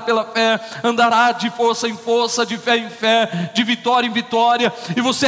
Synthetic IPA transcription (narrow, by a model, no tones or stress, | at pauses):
pelɐfɛɐ̃nd̪aɾad͡ʒɪfoɾsɐẽj̃foɾsɐd͡ʒɪfɛẽj̃fɛd͡ʒɪvit̪ɔɾiɐẽvit̪ɔɾiɐɪvose